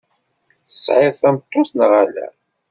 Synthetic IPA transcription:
θə̥sʕɪðθæmt̪ˤːosnʁælæ̰

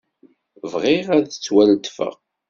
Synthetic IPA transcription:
vʁɪʁæðət͡sːwælt̪ːfə̰ʁ

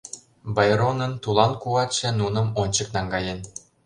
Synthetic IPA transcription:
bɑjɾonənt̪ulɑnkuɑt̪ʃenunə̆monʲt͡ɕəknɑŋɡɑjen

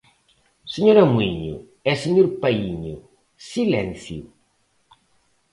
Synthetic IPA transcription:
seɲoɾɐmwiɲṵ | ɛseɲoɾpaiɲʊ | silɛ̃nθju

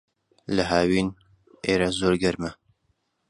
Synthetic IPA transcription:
lɐɦaːwiːn | ʔeːɾazoːɾɡɐɾmɐ

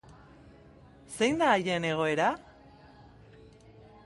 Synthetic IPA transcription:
se̞jnd̪aːje̞ne̞ɣ̞o̞e̞ɾa

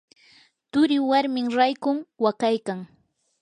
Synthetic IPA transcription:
t̪ʊɾɪwaɾmɪŋɾajkʊŋwakajkaŋ

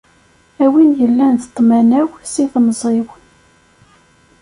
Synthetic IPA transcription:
æwinjəlːænt̪ə̥t̪ˤːmænæwsiθnəzˤiwən

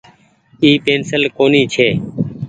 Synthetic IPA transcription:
iːpeːnsəlkoːniːt͡ʃʰeː

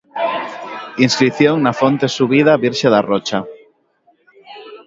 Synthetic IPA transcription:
inskɾiθjoŋnafont̪esuβ̞ið̞aβiɾʃaðarot͡ʃa

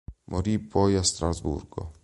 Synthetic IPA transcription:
mʔoɾipʰːɔjast̪ɾazbṵrɡo̰

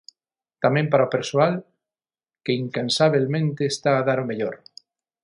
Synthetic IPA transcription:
t̪amẽmpaɾaopeɾsoal | keiŋkansaβelmẽnt̪eːst̪aːðaɾomeʎoɾ

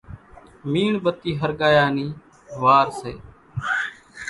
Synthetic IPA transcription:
miːɳbət̪iːɦəɾɠaːjaːniː | ʋaːɾsḛː

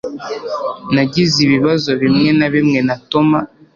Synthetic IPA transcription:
naɟiziβiβazo̞βimŋe̞naβimŋe̞nato̞ma

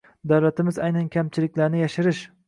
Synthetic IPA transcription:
d̪awlæt̪ʰɪmɪzɑjnankʲʰæmt͡ʃʰɪlɪk̚ʲlaɾnɪjaʃɪɾɪʃ

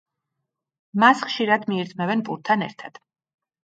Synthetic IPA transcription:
masχʃiɾad̪miɛɾd̪zmɛvɛnpʼuɾt̪ʰːanɛ̰ɾt̪ʰad̪̥

